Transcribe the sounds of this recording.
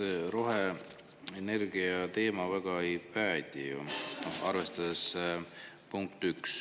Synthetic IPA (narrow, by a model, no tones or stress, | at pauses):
eɾo̞ɦe | ene̞rɡ̥iɑt̪e̞ːmɑvæɡ̥ɑejpæːd̪̥ʲijṵɑrve̞st̪ɑd̪̥es | puŋk̚t̪yks